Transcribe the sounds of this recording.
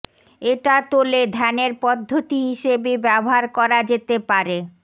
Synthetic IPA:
eʈat̪oled̪ʱɛneɾpɔd̪ʱːot̪iɦiʃebebɛboɦaɾkɔɾad͡ʑet̪epaɾe

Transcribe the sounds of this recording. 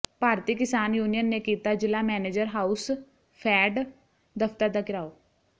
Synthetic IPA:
paːɾt̪iːkɪsaːnjuːnijənːeːkiːt̪aːd͡ʒɪlaːmɛːneːd͡ʒəɾɦaːus | pʰɛːɖ | d̪əft̪əɾd̪aːkɪɾaːoː

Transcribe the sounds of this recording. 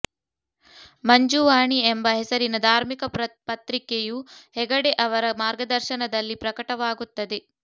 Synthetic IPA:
mɐɲd͡ʒuʋaːɳiembɐɦɛsɐɾinɐd̪ʱaːɾmikɐpɐt̪ɾikejuhɛɡɐɽeʔɐʋɐɾɐmaːɾɡɐd̪ɐɾʃɐnɐd̪ɐlːipɾɐkɐʈɐʋaːɡut̪ːɐd̪e̞

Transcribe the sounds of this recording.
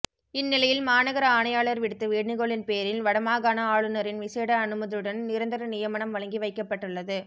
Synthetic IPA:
ɪnːɪlɐjɪlmaːnɐɣɐɾɐaːɳɐjaːɭɐɾʋɪɽɯt̪ːɯʋiːɽnɪɣoɭɪnpeːɾɪnʋɐɽɐmaːɣaːnɐaːɭɯnɐɾɪnʋɪseːɽɐːnɯmɐðɪɯɽɐnnɪɾɐnd̪ɐɾɐnɪjɐmɐɳɐmʋɐɭɐŋɡiʋɐɪkːɐpːɐʈːɯɭːɐðɯ

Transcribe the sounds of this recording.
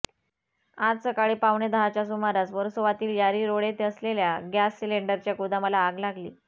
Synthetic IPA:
ad͡zsəkaɭiːpaʋɳed̪əɦat͡ɕjasumaɾat͡sʋəɾsoʋat̪iːljaɾiːɾoɭet̪eəsleljaɡjasːileɳɖəɾt͡ɕjaɡud̪aməlaːɡlaɡlḭː

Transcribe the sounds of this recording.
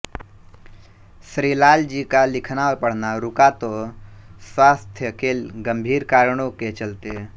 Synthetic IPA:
sɾiːlaːld͡ʒiːkalɪkʰnaːʋpəɽ̤naɾʊkat̪o | swaːst̪ʰjəkeːlɡəmbʱiːɾkaːɾɳ̃õket͡ʃəlt̪e

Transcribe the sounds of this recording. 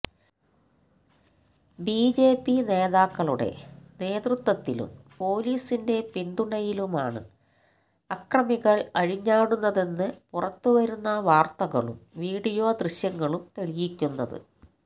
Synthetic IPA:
biːd͡ʑe̞ːpːine̞ːðaːkːɐɭuɽe̞̰ne̞ːd̪rut̪wɐt̪ːilṵmpo̞ːliːsinde̞pind̪uɳɐjilumaːɳɨ̰ | ɐkrɐmiɣɐɭɐɻiɲːaːɽunːɐðe̞nːɨpurɐt̪ːuʋɐɾunːɐʋaːrt̪ɐɣɐ̰ɭṵmʋiːɽijo̞ːd̪rɨɕjɐŋːɐɭumt̪e̞ɭijikʲːunːɐðɨ̰

